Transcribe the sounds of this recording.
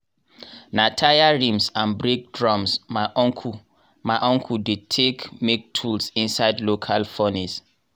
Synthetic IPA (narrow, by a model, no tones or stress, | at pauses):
natʰajaɹĩmsãnbɹek̚dɹɔ̃msmaɪʔɔ̃ŋkʰu | maɪʔɔ̃ŋkʰudid̚tʰekmek̚tʰulsĩnsaɪdlokʰalfɔnis